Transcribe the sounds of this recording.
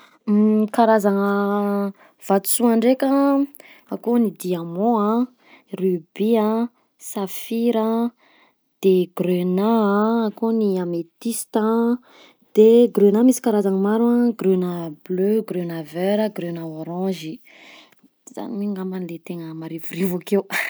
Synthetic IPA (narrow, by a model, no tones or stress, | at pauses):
kaɾazaŋə | v̥at̪u̥suaɳɖ͡ʐekʲə | akonid̪iamɔ̃ã | rybiã | safiɾa | d̪̥eɡ̥rønaaːkoniamet̪ist̪a | d̪̥eɡɾenamisi̥kaɾazaŋəmaɾuaɡrønəbløɡrønaveɾəɡɾønaoɾɑ̃ʒi | za̰nimiŋamanilet̪eŋəmaɾivuɾivakew